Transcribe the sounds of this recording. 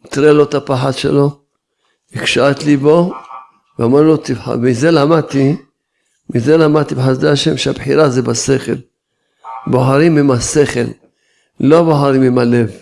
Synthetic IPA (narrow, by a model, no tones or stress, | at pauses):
t̪ɾelot̪apaħad̪ʃḛlo̞ | ikʃat̪libo̞ | veamaɾlot̪ivħa̰mizelamad̪̚t̪i | mizelamad̪̚t̪ibeħasd̪eaʃe̞mʃeabħiɾazebase̞χḛl | boħaɾimimaseχḛl | lo̞boħaɾimimale̞v